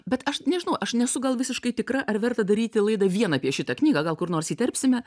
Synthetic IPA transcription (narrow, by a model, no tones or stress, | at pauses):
bʲɛt̪ɐʃnʲɛʒʲɪnɐʊʔɐʃnʲɛsʊɡɐlˠʋʲɪsʲɪʃkɐɪt̪ʲɪkɾɐʔɐrʋʲɛrt̪ɐd̪ɐɾʲiːt̪ʲɪlˠɐɪd̪ɐʋʲiɛnɐːpʲiɛʃʲɪt̪ɐknʲiːɡɐɡɐlˠkʊrnoːrsiːt̪ʲɛrʲpʲsʲɪmʲɛ